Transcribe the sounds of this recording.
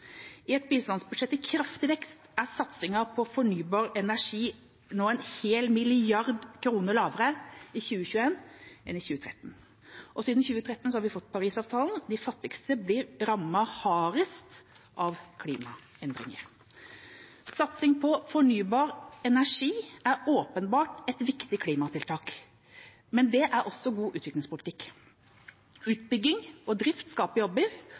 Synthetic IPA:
ɪɛt̪̚biːst̪ɑnsbʉd̪ʂɛt̪ːɪkʰɾɑft̪ɪʋɛkst̪æɾsɑt̪sɪŋɑɾpʰɔfɔɳyːbɑːɾɛnæʂiː | noːɛɪnheːlmɪlɪɑɾd̪kʰɾuːnəɾlɑːʋəɾəɪçʉːəçʉeːnʔɛnɪçʉːət̪ʰɾɛ̰t̪ːn̩ | ʔɔsiːd̪n̩çʉːət̪ʰɾɛt̪ːn̩sɔhɑɾʋɪfɔt̪ːpʰɑɾiːsɑːʋt̪ʰɑːln̩d̪ɪfɑt̪ːɪkst̪əblɪɾɾɑmːɑhɑːɾəst̪ | ʔɑʋkʰliːmɑ | ɛnd̪ɾɪ̰ŋə̰ɾ | sɑt̪sɪŋpʰɔfɔɳyːbɑːɾɛnæʂiːæɾoːpənbɑːʈɛt̪ʋɪkt̪ɪkʰliːmɑt̪ʰɪlt̪ʰɑːk | mɛnd̪ɛʔæɾʔɔsːɔɡuːʔʉːt̪ʋɪklɪŋspʊlɪt̪ʰɪkː | ʉːt̪̚bʏɡːɪŋɔd̪ɾɪft̪skɑːpəjɔbːəɾ

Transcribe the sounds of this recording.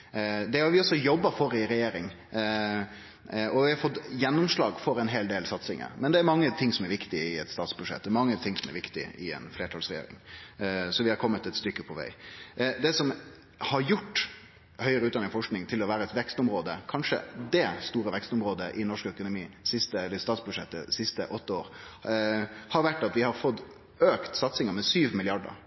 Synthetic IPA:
d̪ɛhɑɾʋɪɔsɔjɔbːɑfɔɾɪɾɛjeːɾɪŋ | ɔʋɪhɑfɔt̪jɛnːʊmʂlɑːɡfɔɾɛnɦeːld̪eːlsɑt̪sɪŋə̰ɾmɛnd̪ɛːɾmɑŋːət̪ʰɪŋsɔmɛɾʋɪkt̪ɪɪɛt̪st̪ɑːt̪sbʉʂɛ̰t̪̚d̪ɛɾmɑŋːət̪ʰɪŋsɔmɛ̰ɾʋɪkt̪ɪ̰ʔɪɛ̰nfleːʈʰɑlsɾɛjḛːɾɪ̰ŋ | sɔʋɪhɑɾkʰɔmːət̪ɛt̪st̪ʏkːəpʰɔʋæ̰ɪd̪ɛsɔm | hɑɾjʊʈː | hœʏəɾəʉːɑnɪŋfɔʂknɪŋt̪ʰɪlɔʋæːɾəɛt̪ʋɛkst̪ɔmɾoːd̪əkʰɑnʂə̰d̪ɛst̪uːɾəʋɛkst̪ɔmɾoːd̪əʔɪnɔʂkœkʊnʊmiːsɪst̪əɛlːəɾɪst̪ɑːt̪sbʉd̪ʂɛt̪ːə̰sɪst̪əʔɔt̪ːəoːɾ | hɑɾʋæʈːɑt̪ʋɪhɑɾfɔt̪ː | øːkt̪sɑt̪sɪŋəɾmɛsyːʋmɪlɪɑɖə̰ɾ

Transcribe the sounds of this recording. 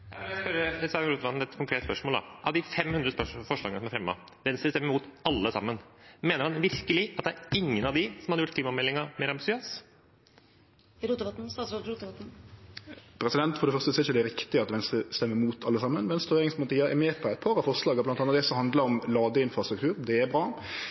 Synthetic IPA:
hjæspœɾəsɑːɾuːt̪ʋɑt̪n̩ɛt̪kʰʊŋkʰɾeːt̪əspœʂmoːld̪ɑ̰ʔɑ̰ʋd̪ɪfɛmhʉnd̪ɾəspœfɔʂɭɑ̰ːɡənəsɔmæɾfɾɛmːə̰ | ʋɛnst̪ɾəst̪ɛmːəmuːt̪ɑlːəsɑ̰mːənmeːnəɾhɑnʋɪɾkəlɪɑt̪̚æɾɪŋːənɑʋd̪ɪsɔmhɑd̪əjʊʈ̚kʰliːmɑmɛlːɪŋɑmeːɾɑmbɪsɪøːs | ɾut̪t̪n̩ːt̪̩ | pʰɾɛsɪd̪ɛnt̪fɔɾɖɛfœʁst̪əsɔɾɪçəd̪ɛɾɪkt̪ɪəɑt̪ʋɛnst̪ɾəst̪ɛmːəɾmuːt̪ʰɑlːəsɑmːənmɛnst̪ʉɾeːɾɪŋsmɑlt̪iːɑɛ̰mɛːpʰɔɛɪt̪̚pʰɑːɾɑfɔʁʂɭɑːɡəblɑnt̪ɑnɑd̪ɛsɔhɑnd̪ləɾɔmlɑːɡəɪnfɾɑst̪ɾʉkt̪ʰʉːɾd̪ɛɛbɾɑː

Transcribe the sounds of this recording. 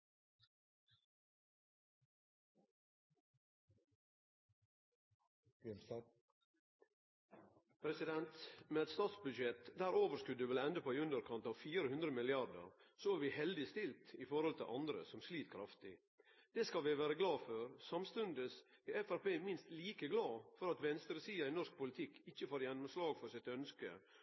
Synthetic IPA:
pʰɾɛsɪd̪ɛnt̪meːɛt̪st̪ɑːt̪sbʉd̪ʃɛt̪d̪æːɾoːʋəɾskʉd̪ʉʋɛlɛnd̪əpoːæɪʉnd̪əɾkʰɑnt̪ɑːʋfiːɾəhʉnd̪ɾəmɪlɪɑɖə̰ɾsoæʋɪhɛld̪ɪst̪ɪlt̪ɪfɔɾhɔlt̪ʰɪ̰lʔɑnd̪ɾə̰sɔmsliːt̪kʰɾɑft̪ɪ | d̪̥ɛːskɑlʋɪʋæːɾəɡlɑːføɾsɑmst̪ʉnd̪əsɪɛfæɾpeːmɪnst̪liːkəɡlɑːfɔɾɑt̪ʋɛnst̪ɾəsiːɑɪnɔʂk̚pʰʊlɪt̪ʰɪkːɪçːəfoːɾjɛnːʊmslɑːɡfɔɾsɪt̪œnskə̰

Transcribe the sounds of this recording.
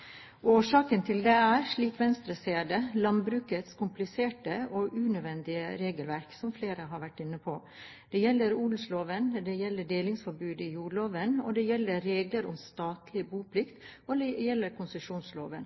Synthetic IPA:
oːʂɑːkənt̪ʰɪld̪ɛæɾʂɭiːkʋɛnst̪ɾəseːd̪əlɑmbɾʉːkət̪skʰʊmplɪseːʈəɔʔʉnœʋɛnd̪ɪə̰ɾeːɡəlʋæɾksɔmfleːɾəɦɑɾʋæʈːɪnːəpʰo | d̪̥ɛjɛlːəɾuːlʊsloːʋənd̪ɛjɛlːəɖeːlɪŋsfɔɾbʉːd̪ɪjuːɭoːʋənɔ̰d̪ɛjɛlːəɾeːɡləɾɔ̰mst̪ɑːt̪ʰlɪbuːpʰlɪkt̪ɔd̪ɛjɛlːəɾkʰʊnsəʂuːnsloːʋən

